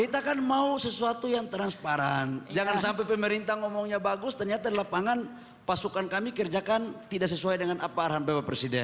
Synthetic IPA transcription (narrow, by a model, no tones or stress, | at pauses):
it̪akanmausəsuat̪ujaŋt̪ɾanspaɾand͡ʒaŋansampɛpəməɾint̪aŋɔmɔŋɲabaɡʊst̪ərɲat̪adlapaŋan | pasukankamikərd͡ʒakant̪idaʔsəsuajdəŋanapaːrɦambewapɾesidɛ̰n